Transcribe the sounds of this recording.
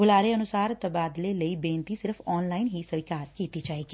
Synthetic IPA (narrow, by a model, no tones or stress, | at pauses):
ɡʊlaːɾeənʊsaːɾt̪əbaːd̪leləiːbẽːnt̪isɪɾəfʰɔːnlaːɪnɦisəʋɪkaːɾkiːt̪id͡ʒaːeːɡiː